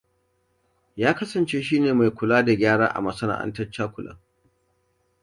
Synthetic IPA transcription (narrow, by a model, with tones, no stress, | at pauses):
jaː˦kɐ˦sɐ˨nt͡ʃeː˦ʃiː˦neː˨ma˨jkʷʊ˨laː˦da˨ɡʲaː˦ɽa̰ː˦ʔa̰˨mɐ˨sɐ˦na̰ː˨ʔa̰˦ntɐ˦t͡ʃːaː˦kʷʊ˨lʔɐ̰˦ŋ